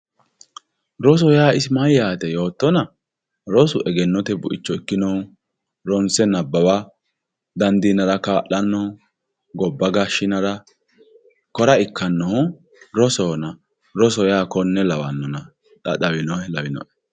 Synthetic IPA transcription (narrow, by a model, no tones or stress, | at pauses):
ɾɔs̬ɔjaːɪsmɐjaːt̪ɛjo̞ːt̪ːɔnɐ | ɾɔsʊʔɛɡɛnːɔt̪ɛbʊʔɪt͡ʃːɔɪkːɪnɔʊ | ɾɔnsɛnɐbːɐwɐ | d̪ɐnd̪inɐɾɐkaːʔɐnːɔ | ɡɔbːɐɡaʃːɪnɐɾɐ | kɔɾɐɪkʰːɐnːɔhʊ | ɾɔsɔːnɐ | ɾɔsɔjaːkɔnːɛlɐwɐnːɔnɐ | ᶑɐ̰ɗɐwɪnɔhɛlɐwɪnɔ̰ʔɛ̥